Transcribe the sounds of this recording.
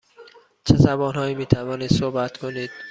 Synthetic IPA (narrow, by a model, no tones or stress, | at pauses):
t͡ʃʰezæbɒːnhɒːiːmiːt̪ʰævɒːniːd̪̥sohbæt̪kʰoniːd̪̥̚